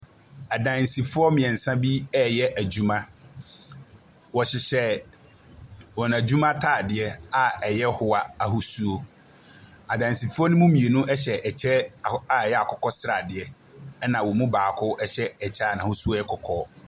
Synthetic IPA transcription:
a˨dã˨n˨si˨fʊ˦ɔ˦mɪ̃˨ɛ̃˨n̩˨sã˦bi˦ɛ˦jɛ˦ʔæ˨d͡ʑu˦mã˦ | wɔ˨ɕɪ˨ɕɛ˦ | wɔ˨n˨a˨d͡ʑu˦mã˦tʰaː˦˨dɪ˨ɛ˦a˨ɛ˨jɛ˦hʊ˨a˨a˨ɦʊ˨su˦o˦ | a˨dã˨n˨si˨fʊ˦ɔ˦nʊ̃˦mũ˦mĩ˨e˨nũ˦ʔɛ˦ɕɛ˨ʔɛ˨t͡ɕʰɛ˦˨a˨jɛ˦a˨kʰɔ˨kʰɔ˦sɾa˨dɪ˨ɛ˨˦ | nã˨wɔ˨mũ˦baː˨kʰʊ˦ʔɛ˦ɕɛ˦ɛ˨t͡ɕʰɛ˦˨nã˨hʊ˦su˦ɔ˦ɛ˦kʰɔ˨kʰɔː˦

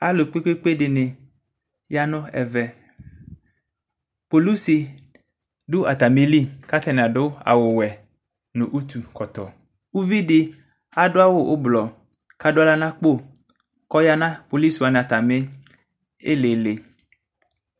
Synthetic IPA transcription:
a˦lʊ˨k͡pe˦k͡pe˦k͡pe˦dɪ˨nɪ˨ | ja˦nʊ̃˦ɛ̰˨vɛ˨ | po˨lu˦si˨ | dʊ˦ʔa˨t̪a˨mɪ˦li˦ka˦t̪ɛ˦˨n˨a˨dʊ˦a̰˨wʊ˨wɛ˨ | nʊ̃˨ʔo˦t̪u˨kɔ˨t̪ɔ˨ | u˦vi˦dɪ˦ | a˨dʊ˦a˦wʊ˦ʔʊ˦blɔ˨ | ka˨dʊ˦a˦la˦nã˦k͡po˦˨ | kɔ˦ja˦nã˦po˨li˦sa˨nɪ̃˨a˨t̪a˨mɪ˦ | ɪ˦le˨le˨

